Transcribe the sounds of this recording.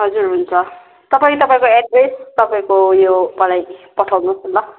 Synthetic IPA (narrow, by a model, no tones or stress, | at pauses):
ɦʌd͡zurɦunt͡sʰʌ | t̪ʌpaĩt̪ʌpaĩkoeɖbejst̪ʌpaĩkojopalajpʌʈʰawnosolːʌ